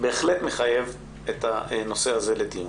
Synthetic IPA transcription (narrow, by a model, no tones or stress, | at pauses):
be̞ːχlet̪me̞χaje̞v | et̪ano̞se̞haze̞led̪i